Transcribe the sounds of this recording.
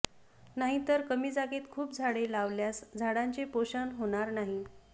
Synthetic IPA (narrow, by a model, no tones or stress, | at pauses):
naɦit̪əɾkəmiːd͡zaɡet̪kʰuːpd͡zʱaɽelaʋljasd͡zʱaɽaɲt͡ɕepoɕanɦoɽ̃aɾnaɦi